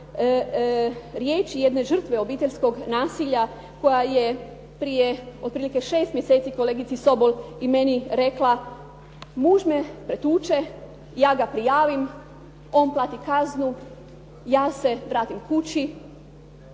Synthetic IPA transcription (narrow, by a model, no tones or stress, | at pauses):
ɾjeːt͡ʃijed̪ne̞ʒər̩t̪ʋe̞o̞biːt̪e̞ʎʲsko̞ɡnaːsiʎa | ko̞jaje | pɾijeod̪̚pɾiːlike̞ʃe̞ːst̪mjese̞ːt̪siko̞leːɡit̪siso̞bolime̞niɾe̞kla | muʒmepɾet̪uːt͡ʃe̞ | jaːɡapɾijaːʋim | o̞nplˠaːt̪ikaznu | jaːse̞ʋɾaːt̪imkut͡ʃi